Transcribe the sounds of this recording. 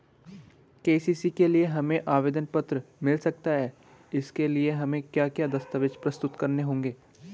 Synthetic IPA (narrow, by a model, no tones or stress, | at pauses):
keːsiːsikelieɦɐmẽʔaːʋeːd̪ənpɐt̪ɾəmɪlsɐk̚t̪aɦɛː | ɪskelieɦɐmẽkjaːkjaːd̪ɐst̪əʋɪt͡ʃpɾɐst̪ʊt̪kɐɾneɦõːŋɡeː